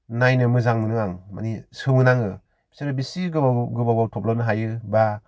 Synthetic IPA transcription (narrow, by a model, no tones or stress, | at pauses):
najnɯmɯzaŋmɯnɯŋaŋma̰nisɯmɯnaŋɯ | b̥i̥saɾɯbisiɡɯbaɡɯbabawtʰɔp̚lɔnɯɦajɯba